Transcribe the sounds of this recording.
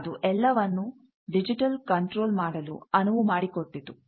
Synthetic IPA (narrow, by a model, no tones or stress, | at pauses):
d̪uʔɛlːɐʋɐnːu | ɖid͡ʒiʈɐlkɐɳʈɾoːlmaːɽɐlṵɐnuʋumaːɽikoʈːid̪u